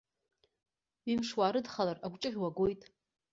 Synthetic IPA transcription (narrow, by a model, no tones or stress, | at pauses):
imʂwaːɾɨdχalaraɡʷt͡ʃʼɨʁʲwaɡʷo̞jtʼ